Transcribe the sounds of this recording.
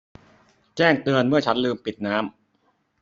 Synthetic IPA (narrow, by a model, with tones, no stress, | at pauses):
t͡ɕɛː˥˩ŋt̪ɯ˧ənmɯ˥˩ɐt͡ɕʰa˦˥nlɯː˧mpi˨˩t̪̚naː˦˥m